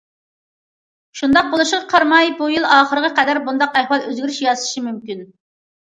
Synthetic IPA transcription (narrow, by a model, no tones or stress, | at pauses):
ʃund̪ɑq̚bolˠuʃʁɑqʰɑɾmɑjbujilˠɑːχəɾəʁɑqɛd̪æɾbund̪ɑqæhwɑlˠøzɡʲyɾyʃjɑzɨ̥ʃimymkʲyn